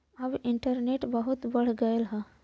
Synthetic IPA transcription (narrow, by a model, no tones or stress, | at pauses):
ɐbɪɳʈəɾneːʈbəɦʊt̪bɐɽ̤ɡəelɦɛ̃